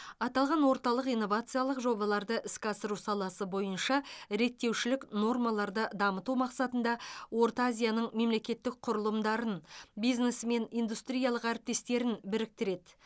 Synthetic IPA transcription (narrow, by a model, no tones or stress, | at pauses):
ɑt̪ɑlˠʁɑnwo̞ɾt̪ɑlˠəqijnːo̞vat̪sɨjalˠəqʒo̞bɑlˠɑɾd̪əʔɪskʲɑsəɾusɑlˠɑsəbo̞jənʃɑɾe̞k̚t̪ːe̞wʃɪlɪkno̞rmɑlˠɑɾd̪əd̪ɑmət̪umɑqsɑt̪ənd̪ɑwo̞ɾt̪azʲijanəɴme̞mle̞kʲe̞t̪ːɪk̚qʰʊɾəlˠəmd̪ɑɾənbijznesme̞nijnd̪ust̪ɾijɑlˠəqæɾɪp̚t̪e̞st̪e̞ɾɪnbɪɾɪk̚t̪ɪɾe̞d̪